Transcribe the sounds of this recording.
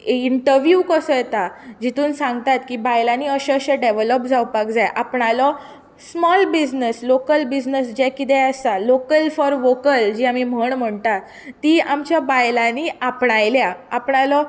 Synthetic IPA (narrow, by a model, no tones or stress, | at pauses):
iɳʈəɾʋjukəsɔjɛt̪ad͡ʑit̪uːnsãŋɡt̪at̪kiːbajlaniːəɕeəɕeɖeʋləp̚d͡zʱawpakd͡zajʔapɳalɔ | smɔlbid͡ʑnəslokəlbid͡ʑnəsd͡ʑɛkid̪ɛast̪alokəlfɔɾʋokəld͡ʑiːamim̤əɳm̤əɳt̪a | t̪iːamt͡ɕjabajlaniːapɳajljaapɳalɔ